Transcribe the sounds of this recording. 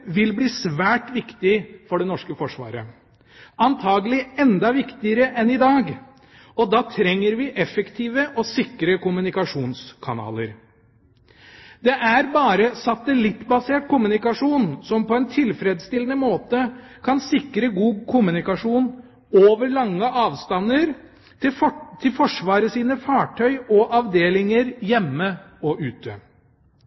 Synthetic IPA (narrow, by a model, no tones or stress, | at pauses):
ʋɪlbliːsʋæːʈʋɪkt̪ɪfɔɖɛnɔʂkəfɔʂʋɑ̰ːɾə̰ | ɑnt̪ʰɑːɡəlɪɛnd̪ɑʋɪkt̪ɪəɾəʔɛnɪd̪ɑːɡ | ɔd̪ɑːt̪ʰɾɛŋːəɾʋɪʔɛfəkt̪ʰiːʋəʔɔsɪkɾəkʊmʉnɪkɑʂuːnskʰɑnɑ̰ːləɾ | d̪̥ɛʔæɾbɑːɾəsɑt̪ːəlɪt̪ːbɑseːʈ̚kʊmʉnɪkɑʂuːnsɔmpɔɛnt̪ʰɪlfɾeːd̪st̪ɪlənəmoːt̪əkʰɑnsɪkɾəɡuːkʰʊmʉnɪkɑʂuːn | oːʋəɾɭɑŋːəʔɑːʋst̪ɑnːəɾ | t̪ʰɪlfɔʂʋɑːɾəsiːnəfɑːʈʰœʏɔʔɑʋd̪eːlɪŋəɾjɛmːəɔʔʉːt̪ʰə̰